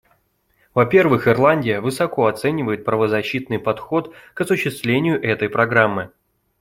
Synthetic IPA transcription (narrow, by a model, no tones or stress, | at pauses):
vɐpʲe̞rvɨxɪrlˠanʲdʲɪjəvɨsɐko̞ɐt̪sɛnʲɪvəjɪt̪̚pɾəvəzɐɕːit̪nɨjpɐt̪xo̞t̪kɐsʊɕːɪst̪vlʲenʲɪjʊʔɛt̪əjpɾɐɡɾamːɨ